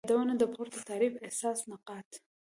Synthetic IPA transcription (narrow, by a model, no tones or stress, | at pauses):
d̪awənad̪əpʰoɾt̪at̪ɑɾifehsɑsnaqɑt̪